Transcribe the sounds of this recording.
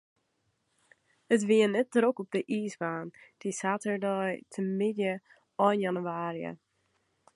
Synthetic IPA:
ətʋiənɛt̚dɾokɔp̚dəʔiːsbaːnd̥isaːtəɹdɔjtʰəmɪdjə | ɔjnjanyaːɾjə̰

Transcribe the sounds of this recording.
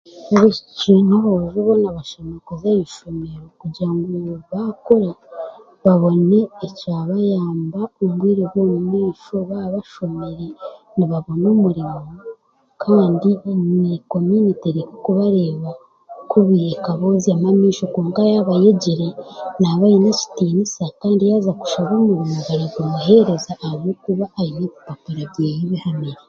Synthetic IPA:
βecinoβoʒuβonaβaʃemekozejiʃomeɾokuɾɟiɾaŋɡuβakoɾa | βaβo̞ne̞ːcaːβajaːmbaomɡwiːɾeβwoːmumiːʃo̞βaβaʃomeɾe̞ | niβaβo̞nomuɾimo | kʰaːndiniko̞muniteɾikokuβaɾeːβa | kʰuβijekaβo̞ziamamiːʃo̞koːŋkajaβajeɟiɾe̞naβajinaci̥tiːnisakaːndijaːzaku̥ʃaβoːmuɾimoβaɾeɡomuɦe̞ɾe̞zaʔːβokuβaʔːjinakupapuɾaβɟeːjiβihamiɾe

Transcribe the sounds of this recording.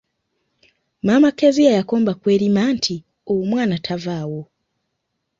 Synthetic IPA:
mamakezijajakoːmbakweːɾimaːntʰi | owomwaːnatʰavaːwo

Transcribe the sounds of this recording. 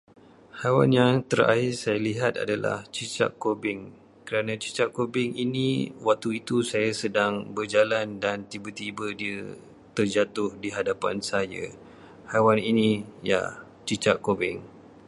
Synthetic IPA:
hawa̰njaŋt̪əra̰ɪsajaliɦat̪a̰dala̰ht͡ʃit͡ʃa̰ʔkobɪŋ | kəɾanãt͡ʃi̥t͡ʃaʔkobɪŋiniwak̚t̪uit̪usajasədaŋbərd͡ʒalandant̪ibat̪ibədiə | t̪ərd͡ʒat̪ʊhdiɦadapansaja̰ | hawaninija̰ | t͡ʃit͡ʃaʔkobɪŋ

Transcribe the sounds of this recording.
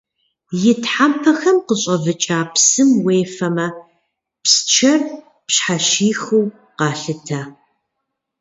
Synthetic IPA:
jɪtħampʰɐxɐmqəɕʼɐvɨt͡ʃʼaːpsɨmweːfɐmɐ | pst͡ʃʰɐr | pɕħaʃiːxɨw | qɑːɬɨtʰaː

